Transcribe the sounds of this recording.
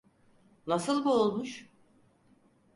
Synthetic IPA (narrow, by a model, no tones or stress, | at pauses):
nasɯlˠbuolˠmuʃ